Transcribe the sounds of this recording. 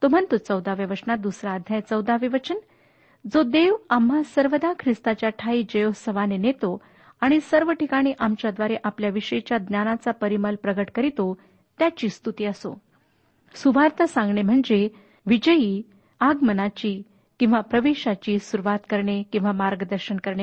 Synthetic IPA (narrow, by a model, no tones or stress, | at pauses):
t̪om̤ənt̪ot͡səwd̪aʋjəʋət͡ɕnad̪usɾaːd̪ʱjajt͡səwd̪aʋiʋət͡ɕən | d͡zod̪eʋamɦasəɾʋəd̪akʰɾist̪at͡ɕjaʈʰaiːd͡ʑəjosəʋanenet̪o | aɽ̃isəɾʋəʈikaɽ̃iʔamt͡ɕjad̪ʋaɾeʔapljaʋiɕəit͡ɕjad̪njanat͡sapəɾiməlpɾəɡəʈkəɾit̪o | t̪jat͡ɕiːst̪ut̪iːəso̰ | suʋaɾt̪əsãŋɡɳem̤əɳd͡ze | ʋid͡ʑəjiː | aɡmənat͡ɕiː | kĩw̃ʋapɾəʋeɕat͡ɕiːsuɾuʋat̪kəɾɳekĩw̃ʋamaɾɡəd̪əɾɕənkəɾɳe